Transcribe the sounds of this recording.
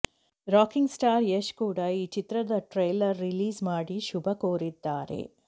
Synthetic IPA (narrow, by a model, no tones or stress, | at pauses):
ɾaːkiŋɡsʈaːɾjeʃkuːɽɐiːt͡ʃit̪ɾɐd̪ɐʈɾɐjlɐɾːiliːzmaːɽiʃubɐkoːɾid̪ːaːɾḛ